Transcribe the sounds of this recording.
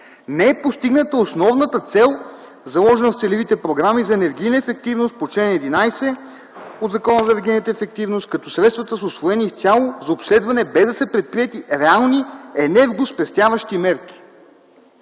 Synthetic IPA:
nɛɛpost̪iɡnət̪əosnɔvnət̪ət̪sɛlˠ | zɐlˠɔʒɛnəft̪sɛlivit̪ɛpɾoɡɾamizɐɛnɛɾɡ̟ijnəɛfɛk̚t̪ivnost̪̚pot͡ʃlɛnɛd̪inajsɛ | od̪zɐkɔnəzɐɛnɛɾɡʲijnət̪əɛfɛk̚t̪ivnost̪̚kɐt̪ɔsɾɛt̪st̪vɐt̪əsosvoɛnift̪ʲalˠozɐopslɛd̪vɐnɛbɛzd̪ɐsɛpɾɛt̪̚pɾiɛt̪iɾɛalˠniɛnɛɾɡospɛst̪javɐʃt̪imɛɾk̟i̥

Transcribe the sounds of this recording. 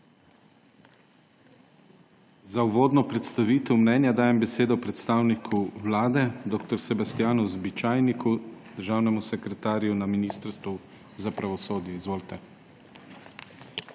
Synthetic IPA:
zauʋoːd̪nɔpɾɛt̪st̪aʋiːt̪ɛwmnɛnjad̪aːjɛmbɛseːd̪ɔpɾɛt̪st̪aːwnikʰuwlaːd̪ɛd̪oːk̚t̪ɔɾsɛbast̪ijaːnuzbit͡ʃaːjnikʰud̪̥əɾʒaːwnɛmusɛkɾɛt̪aːɾjunaminiːst̪əɾst̪ʋu | zapɾaʋɔsoːd̪jɛizʋoːlt̪ɛ

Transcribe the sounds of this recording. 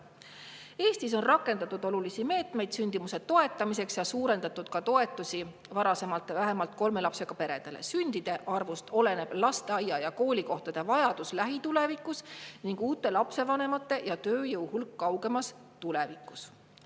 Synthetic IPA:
e̞ːst̪iso̞nrɑkːˑe̞nd̪̥ɑt̪ːˑud̪o̞lulisime̞ːt̪ˑme̞jd̪̥synʲd̪̥imuse̞dt̪ːo̞e̞t̪ːˑɑmise̞ksjɑsuːɾe̞nd̪ɑt̪ːˑud̪̥̚kɑt̪o̞e̞t̪ːˑusi | vɑɾɑse̞mɑlt̪ːˑvæɦe̞mɑlt̪̚ˑko̞lme̞lɑpse̞ɡ̥ɑpe̞ɾe̞̰d̪̥e̞lḛsynd̪̥id̪̥e̞ʔɑrvust̪o̞le̞ne̞b̥lɑst̪eɑjɑjɑko̞ːlʲiko̞ht̪ɑd̪̥e̞vɑjɑd̪̥uslæɦit̪ule̞vikːˑusniŋɡ̥uːt̪ːˑe̞lɑpse̞vɑne̞mɑt̪ːˑe̞jɑt̪øːjɤwhulkːɑwɡe̞mɑs | t̪ule̞vikˑːu̥s

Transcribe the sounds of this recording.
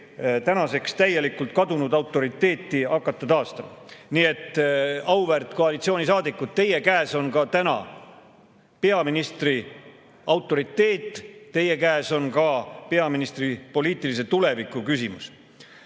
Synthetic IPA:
t̪ænɑse̞kst̪æje̞likːult̪̚kɑd̪unud̪ɑwt̪ːˑo̞ɾit̪ːˑe̞ːt̪ːˑiɑkːˑɑt̪ːˑɑt̪ɑːst̪ɑmɑniːe̞t̪ːˑɑwvert̪ˑko̞ɑlit̪sioːnʲisɑːd̪ikːˑut̪t̪e̞je̞kæeso̞nkɑt̪ænɑ̰ | pe̞ɑminist̪ri | ɑwt̪ːˑo̞ɾit̪ːˑe̞ːt̪ˑːe̞je̞kæːso̞nkɑpe̞ɑminist̪ripo̞liːt̪ˑilise̞t̪ule̞vikːˑukysimus

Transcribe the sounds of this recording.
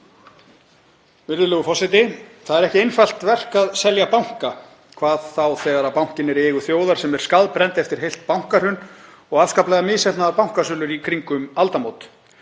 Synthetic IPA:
vɪɾðʏlœːɣʏfɔsɪt̪ɪθaðɛɾɛhcɪejnfal̥t̪vɛr̥kaðsɛljapawŋ̥ka | kʰvaːðθawθɛːɣaɾapawŋ̥cɪnɛɾɛːɣʏθjoːwðaɾ̥sɛmɛɾ̥skaðpɾɛnt̪ɛft̪ɪɾ̥ɦejl̥t̪̚pawŋ̥kaɾ̥hʏn | ɔɣḁːskaplɛːɣamɪːsɛht̪naðapawŋ̥kasʏœːlʏɾikʰɾiŋkʏmalt̪amowt̪

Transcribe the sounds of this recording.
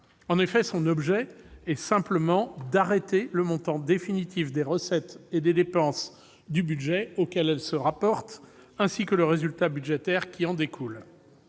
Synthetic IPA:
ɑ̃nefɛsɔ̃nɔbʒɛ | ɛsɛ̃pləmɑ̃d̪aʁet̪eləmɔ̃t̪ɑ̃d̪efinit̪ifd̪eʁəsɛt̪ed̪ed̪epɑ̃s | d̪ybyd̪ʒɛokʲɛlɛlsəʁapɔʁt̪ɛ̃sikələʁezylt̪abyd̪ʒɛt̪ɛʁkʲiɑ̃d̪ekʰul

